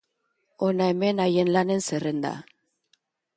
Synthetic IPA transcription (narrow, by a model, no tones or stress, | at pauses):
onaemenajenlane̞nserend̪a̰